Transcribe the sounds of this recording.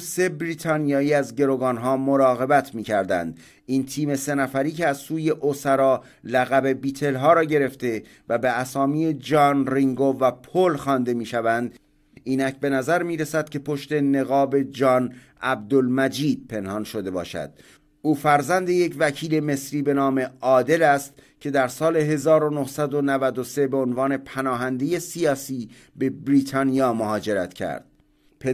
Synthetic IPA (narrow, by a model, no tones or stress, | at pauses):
se̞bɾiːt̪ʰɒːnijɒːiːæzɟe̞ɾoːɡɒːnɦɒːmoɾɒːɣe̞bæt̪ʰmiːcʰæɾd̪æ̰nd̪ | iːnt̪ʰiːme̞se̞næfæɾiːcʰeæzsuːje̞ʔosæɾɒː | læɣæbe̞biːt̪ʰe̞lɦɒːɾɒːɟe̞ɾe̞ft̪e̞ | væbeæsɒːmiːe̞d͡ʒɒːnriŋɡovæpʰolxɒːnd̪e̞miːʃævænd̪ | ʔiːnæcʰbe̞næzæɾmiːɾesæd̪̥̚kʲʰe̞pʰo̞ʃt̪e̞ne̞ɣɒːbe̞d͡ʒɒːn | ʔæb̚d̪olmæd͡ʒiːd̪̥̚pʰe̞nhɒnʃo̞d̪e̞bɒ̰ːʃæ̰d̪̥ | ʔuːfæɾzænd̪e̞je̞cvækʰiːle̞me̞sɾiːbe̞nɒːme̞ʔɒːd̪e̞læst̪ | cʲʰe̞d̪æɾsɒːle̞ɦe̞zɒːɾo̞nohsæd̪onævæd̪ose̞beonvɒːne̞pʰænɒːɦænd̪e̞je̞sijɒːsiː | be̞bɾiːt̪ʰɒːnijɒːmoɦɒːd͡ʒe̞ɾæt̪ʰcʰæ̰ɾd̪̥̚ | pʰe